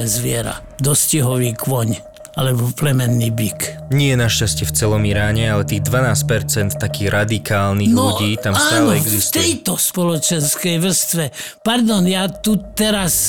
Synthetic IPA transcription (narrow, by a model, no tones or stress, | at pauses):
ɛzʋɪɛɾa̰ | d̪ɔscɛɦɔʋiːkʰʋɔɲ | a̰lɛbɔplɛmɛnːiːbikɲɪɛjɛnaʃcascɪɛft͡sɛlɔmiɾaːɲɛalɛt̪iːɣd̪ʋanaːscpɛɾt͡sɛnt̪ːakiːɣɾad̪ikaːlninɣlɔuɟiːt̪amsaːanːlɛɛɡzisft̪ɛjt̪ɔspɔlɔt͡ʃɛnskɛjʋr̩st̪ʋɛ | paɾd̪ɔnjaːt̪ut̪ɛɾas